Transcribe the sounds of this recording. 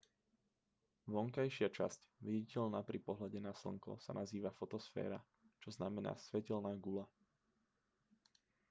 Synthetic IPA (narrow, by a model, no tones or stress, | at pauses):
ʋɔŋkajʃɪat͡ʃascʋɛɟicɛʎnaːpɾipɔɦlaɟɛnasl̩ŋkɔ̰sa̰naziːʋafɔt̪ɔsfɛ̰ːɾa̰ | t͡ʃɔznamɛna̰ːsʋɛcɛlnaːɡula